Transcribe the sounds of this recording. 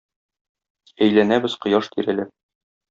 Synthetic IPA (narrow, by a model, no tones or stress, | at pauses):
æjlænæbɘz̥qŏjɑʃt̪ʰiɾælɘ